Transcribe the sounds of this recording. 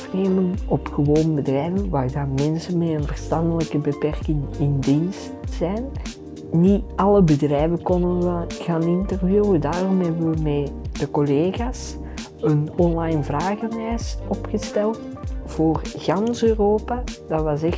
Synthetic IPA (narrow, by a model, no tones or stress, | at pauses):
fneːmənɔpxəʋoːnbədrɛjvənʋaːrdaːmɛnsənmeːənvərstɑndələkəbəpɛrkɪŋɪndistzɛjn | niɑləbədrɛjvəkɔndənʋəɣaːnɪntərvjuədaːrɔmɦɛbəəmeːd̥əkoleːɣaːs | ənɔnlɑjnvraːɣənɛːsɔpxəstɛlˠt | v̥oːrɣɑnsøːroːpad̥ɑtʋɑsɛ